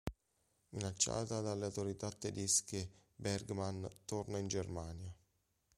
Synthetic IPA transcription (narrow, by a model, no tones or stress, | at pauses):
minat͡ʃːa̰ːt̪ad̪alːeawt̪oɾit̪at̪ːed̪eskebɛrɡmant̪ornaind͡ʒermaːnja